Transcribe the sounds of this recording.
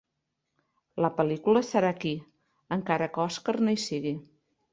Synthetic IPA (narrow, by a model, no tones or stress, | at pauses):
ləpəlikuləsəɾaki | əŋkaɾəkɔskərnejsiɣi